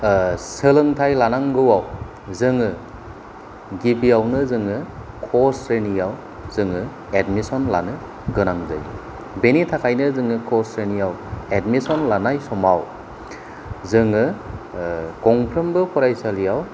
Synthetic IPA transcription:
sɯlɯŋtʰajlanaŋɡɯwaw | zɯŋɯ | ɡibiawnɯzɯŋɯ | kʰɔsɾenijaw | zɯŋɯ | edmisɔnla̰nɯ | ɡɯnaŋzɯ̰j | benitʰakʰajnɯzɯŋɯkʰɔsɾenijawedmisɔnlanajsɔmaw | zɯŋɯ | kɔŋpʰɾɯmbɯkʰɔɾajsalijaw

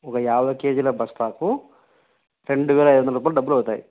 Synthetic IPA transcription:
ɔkɐjaːʋɐke̞ːd͡ʒilɐbɐsʈ̪aːku | ɾe̞ɳɖuʋɛːlɐjd̪ʋɐnɐɾuːp̬aːlɐɖɐbːulɐwut̪aːjḭ

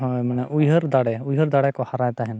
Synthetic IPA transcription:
ɦɔmɛnɛʔujɦəɾd̪aɽɛujɦəɾd̪aɽɛkɔhaɾajt̪aɦɛn

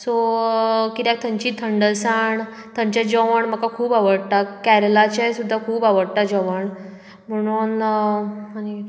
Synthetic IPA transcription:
so | kit̪jak̚t̪ʰəɲt͡ɕiːt̪ʰəɳɖəlsaɳ | t̪ʰəɲt͡ɕjad͡ʑəʋəɳm̤əkakʰuːbaʋəɽt̪akæɾlat͡ɕajsud̪ʱːakʰuːbaʋəɽt̪ad͡ʑəʋəɳ | m̤əɽ̃uːn | ani

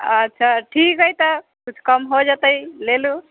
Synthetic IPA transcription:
ətːʃʰaʈʰikɦojt̪ə | kut͡ʃʰkəmɦod͡ʒat̪əilelu

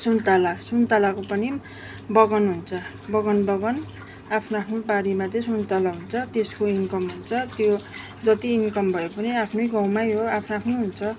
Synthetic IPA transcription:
sunt̪alasunt̪alakopʌni | bʌɡʌnɦunt͡sʰʌ | bʌɡʌnbʌɡʌn | apʰnoapʰnobaɾimat̪ʌsunt̪alaɦunt͡sʰʌt̪eskoiŋkʌmɦunt͡sʰʌt̪jo | d͡zʌt̪iːŋkʌmbʱʌjopʌniapʰnʌjɡʌ̃w̃majɦoapʰnoapʰnoɦunt͡sʰʌ

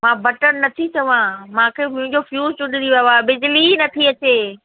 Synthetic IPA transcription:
mãːbɐʈənnɐt̪ʰit͡ɕɐʋãmãkʰeːmʊ̃ɦɪ̃ɲd͡ʑofjuːzt͡ɕʊɗɪniɐaːbɪd͡ʑlinɐt̪ʰiɐt͡ɕeː

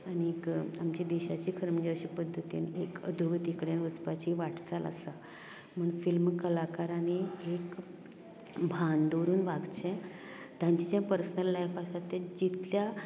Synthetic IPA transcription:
añikamt͡ɕid̪eɕat͡ɕiːkʰəɾməd͡ʑaʋɕipəd̪ʱːət̪ḭːnekəd̪ʱuʋət̪ikɽjanʋəspat͡ɕiʋaʈt͡salʔa̰sa | m̤əɳfilmkəlakaɾañiek | bʱand̪oɾuːnʋaɡt͡ɕẽ | t̪jãɲt͡ɕid͡ʑjapəɾsənəlːajfasat̪ed͡ʑit̪lja

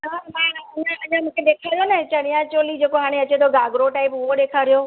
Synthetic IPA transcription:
ɦãːmãɐɲãɐɲãmũːkʰeɗeːkʰaːɾijonɐt͡ɕɐɽ̤̃ijãt͡ɕoːlid͡ʑeːkoɦaːɽ̃eɐt͡ɕet̪ʰoɡaːɡɾoʈaːɪpʊɦoɗeːkʰaːɾijo

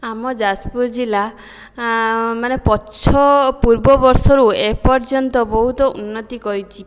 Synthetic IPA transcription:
amɔd͡ʒaspuɾd͡ʒila | manepɔt͡ʃʰɔpuɾbɔbɔɾsɔɾuepɔɾt͡ʃɔnt̪ɔbɔɦut̪ɔʔunːɔt̪ikɔɾit͡ʃʰi

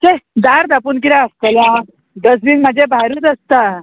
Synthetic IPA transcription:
t͡ɕed̪aɾd̪apunk̬iɾaəst̪əlã | d̪əs̬ʋiːnmad͡ʑʱebʱaɾut̪əst̪a

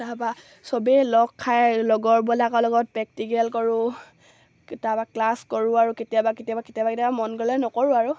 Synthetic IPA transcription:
tapa | sɔbɛlɔkʰːajlɔɡɔɹbɔlakɔlɔɡɔt̚pɛk̚tiɡɛlkɔɹʊ | tabaklaskɔɹʊaɹuketijabaketijabaketijabaketijabamɔnɡɔlɛnɔkɔɹʊaɹu

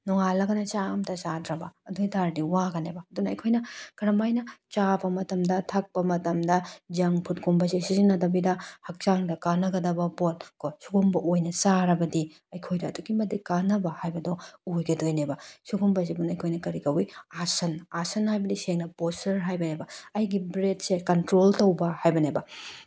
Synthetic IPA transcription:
nɔŋalɐɡɐnɐt͡ʃamtʰɐsadɾɐbɐɐdujtaɾdiwaɡɐnebɐːdunɐːjkʰojnɐkɐɾɐmajnɐt͡ʃabɐmɐtɐmdɐtʰak̚pɐmɐtɐmdɐd͡ʒɐŋpʰut̚kʰumbɐsisiziŋnːɐdɐbidɐhɐk̚t͡ʃaŋdɐkanɐɡɐdɐbɐpotkosuɡumbɐʔojnɐsaɾɐbɐdi | ɐjkʰojdɐːduɡimɐdikanɐbɐhajbɐdoojɡɐdojnebɐsuɡumbɐs̬ebunɐjkʰojnɐkɐɾikɐwiasɐnasɐnhajbɐdiseŋnɐpostɐɾɦajbɐnebɐɐjɡibɾet̚sekɐntɾoltɐwbɐhajbɐnebɐ

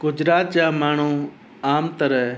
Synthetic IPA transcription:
ɡ̥ʊd͡ʒɾaːt̪̚d͡ʒaːmaːɳ̤ũː | aːmt̪əɾə

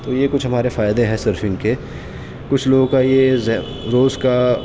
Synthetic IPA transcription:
t̪oːjekʊt͡ʃʰɦɐmaːɾefaːjd̪eɦɛsəɾfɪ̃ŋɡke | kʊt͡ʃʰloːɡõkajez | ɾoːzka

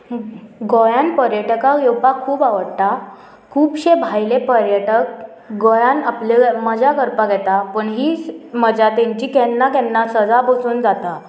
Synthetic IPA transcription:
ɡojanpəɾjəʈəkaɡjewpakʰːuːbaʋəɽt̪a | kʰuːbɕebʱajlepəɾjəʈək̚ | ɡojanapleməd͡ʑakəɾpaɡʱɛt̪apəɳɦiːməd͡ʑat̪aɲt͡ɕiːkɛnːakɛnːasəd͡zabosuːnd͡zat̪a

